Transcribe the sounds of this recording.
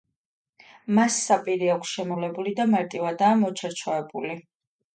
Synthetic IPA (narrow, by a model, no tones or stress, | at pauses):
masːapʼiɾiakʷʰsʃɛmɔlɛbulid̪amaɾt̪ʼivad̪aːmɔt͡ʃʰaɾt͡ʃʰɔɛbuli